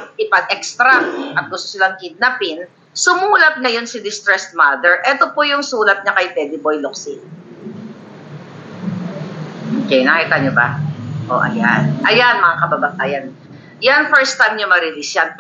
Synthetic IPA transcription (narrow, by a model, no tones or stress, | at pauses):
ʔɪpɐɡ̚ʔɛkst̪ɾɐʔɐt̪̚ɡʊst̪olɐŋkid̪̚napɪn | sʊmuːlɐp̚nɐjo̞nsɪd̪ɪst̪ɾɛst̪̚mad̪ɛɹʔɛt̪o̞pojʊŋsuːlɐt̪̚ɲɐkɐjp̪ɛːd̪ɪbojloksɪ | ʔokɛnakit̪ɐɲoba̰ʔo̰ʔɐ̰janʔɐjanmɐŋakɐbabaʔaːjan | janfɛɹst̪ːajmɲʊmɐɾɪlisjan